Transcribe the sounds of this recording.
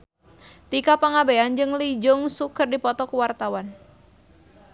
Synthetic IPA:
t̪ikapaŋabeand͡ʒɨŋlid͡ʒʊŋsukərdipɔt̪ɔkuwart̪awan

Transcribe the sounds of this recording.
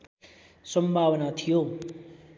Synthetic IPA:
sʌmbʱawnat̪ʰijo

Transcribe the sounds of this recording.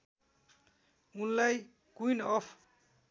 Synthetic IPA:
unlaj | kujnʌpʰ

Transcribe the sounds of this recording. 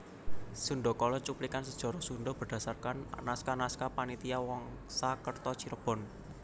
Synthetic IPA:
sunɖɔkɔlɔt͡ʃuplikansəd̥ʒ̥ɔ̤ɾɔsunɖɔb̥ərɖ̥a̤sarkannaskanaskapanit̪iawɔŋ | sakərt̪ɔt͡ʃiɾəb̥ɔ̤n

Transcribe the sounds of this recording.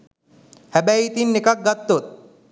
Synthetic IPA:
hæbæjːt̪inːekak̚ɡat̪ːot̪̚

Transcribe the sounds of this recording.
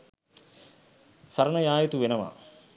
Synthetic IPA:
sɐɾɐɳɐjaːjɐt̪uʋenɐma̰

